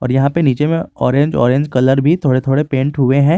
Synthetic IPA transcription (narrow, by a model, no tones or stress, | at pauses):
ɔːɾjɐɦãpeniːt͡ʃemẽɔːɾẽːɲd͡ʒɔ̰ːɾẽːɲd͡ʒkɐləɾbʱit̪ʰoːɽet̪ʰoːɽepẽːɳʈɦʊeɦɛ̃ː